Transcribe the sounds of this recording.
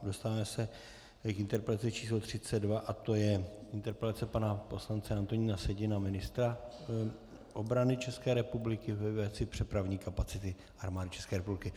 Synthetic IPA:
do̞st̪avaːmɛsɛ | kʔɪnt̪ɛɾpɛltat͡sɪt͡ʃiːslot̪r̝̥ɪt͡sɛdvaʔat̪o̞jɛɪnt̪ɛɾpɛlat͡sɛpanapo̞slant͡sɛant̪o̞ɲiːnasɛɟɪnamɪnɪst̪ɾa | ʔobɾanɪt͡ʃɛskɛːɾɛpublɪkɪvɛvɛt͡sɪpr̥ɛpɾavɲiːkapat͡sɪt̪ɪ | ʔaɾmaːdɪt͡ʃɛ̥skɛːɾɛpublɪkɪ

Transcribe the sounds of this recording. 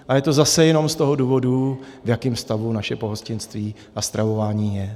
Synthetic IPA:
ʔajɛt̪o̞zasɛjɛno̞mst̪o̞ɦo̞duːvo̞duvjakɪːmfst̪avunaʃɛpo̞ɦoscɪnst̪viː | ʔast̪ɾʔavo̞vaːɲiːjɛ

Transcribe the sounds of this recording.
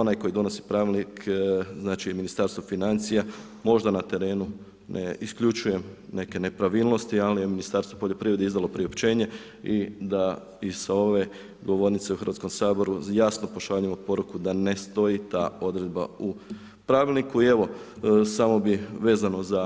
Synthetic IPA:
o̞najko̞jid̪o̞no̞si̥pɾaːʋilˠnikznaːt͡ʃijeminist̪aːɾst̪ʋo̞finant̪sija | mo̞ʒd̪anat̪e̞ɾe̞ːnu | nʔḛiskʎut͡ʃuje̞mne̞ke̞ne̞pɾaʋiːlˠno̞st̪ialije̞minist̪aːɾst̪ʋo̞poʎo̞pɾiːɾe̞d̪eizd̪alopɾiopt͡ʃe̞ːɲe̞ | id̪a | isao̞ʋe̞ | ɡo̞ʋo̞ɾnit̪seuxɾʋat̪sko̞msaːbo̞ɾujaːsno̞po̞ʃaʎuijemopo̞ɾukud̪ane̞st̪o̞jit̪aːo̞d̪ɾe̞d̪ba̰u | pɾaːʋilˠnikuie̞ʋo̞samo̞biʋe̞ːzano̞za

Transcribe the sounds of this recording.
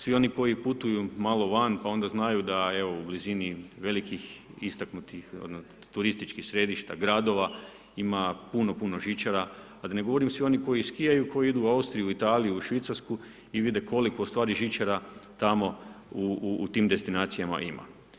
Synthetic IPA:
sʋio̞niko̞iput̪ujumalˠo̞ʋanpao̞nd̪aznajud̪ae̞ʋo̞ubliziniʋe̞likixist̪aknut̪ixod̪no | t̪uɾist̪it͡ʃkixsɾe̞d̪iʃt̪a̰ɡɾad̪o̞ʋa | imapuno̞puno̞ʒit͡ʃaɾaː | d̪ane̞ɡo̞ʋoɾimsʋio̞niko̞jiskijajuko̞jid̪uːaust̪ɾijuit̪aːlijuʃʋit̪saɾsku | iʋid̪ekʰo̞liko̞ust̪ʋaːɾiʒit͡ʃaɾat̪amo̞uːt̪iːmd̪e̞st̪inaːt̪sijama̰ʔima̰

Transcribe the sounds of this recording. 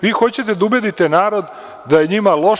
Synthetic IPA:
ʋiːxo̞t͡ɕet̪e̞d̪aubed̪it̪enaːɾo̞d̪ː | aje̞ɲimalˠo̞

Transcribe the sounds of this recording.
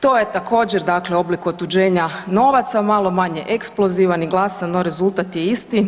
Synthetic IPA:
t̪o̞ːje̞t̪ako̞ːd͡ʑeɾd̪akleo̞blikuot̪ud͡ʑe̞ːɲano̞ʋat̪samalˠo̞maɲeʔeksplˠo̞ziːʋaniɡlˠasanoɾe̞zulˠt̪at̪jeist̪i

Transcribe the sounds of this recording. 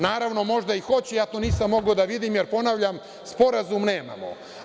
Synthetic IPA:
naːɾaʋno̞mo̞ʒd̪aixo̞t͡ɕejaːt̪oːniːsamːo̞ɡod̪aʋid̪imjeɾpo̞naʋʎam | spo̞ɾazumneːma̰mo̰

